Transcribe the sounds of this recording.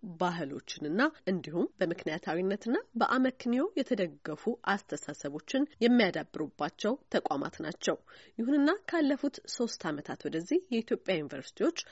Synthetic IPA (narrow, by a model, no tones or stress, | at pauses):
baɦɨlo̞̰t͡ʃːɪnɨnːaʔɨnd̪ihumbəmɨknijat̪ʰawinːət̪ɨnːabəʔaməknijo̞jɛt̪ʰəd̪əɡːəfuʔast̪ʰəsasəβo̞t͡ʃːɪnjɛmːijad̪abːɨɾubːat͡ʃːɛwt̪ʰəkʷʼama̰t̪na̰t͡ʃːɛwjɪhunɨnːakʰalːəfut̪so̞st̪ʰamət̪ʰat̪wɔd̪əzːihjɛit̪ʰjo̞pʼjajunivəɾsi̥t̪ʰiwo̞t͡ʃː